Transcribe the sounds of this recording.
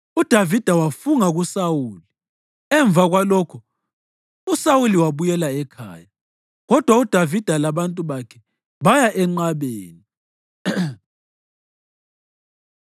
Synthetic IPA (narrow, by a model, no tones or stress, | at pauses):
ud̥ʱavid̥ʱawafuŋaɣusawuːli | ɛɱb̪vaɣwalɔkʰɔ | usawuliwaβujɛlaɛkʰa̰ːja | ɣɔd̥ʱwaud̥ʱavid̥ʱalaβantʼuβakʰɛ | βajaʔɛŋ͡ǃaβeːni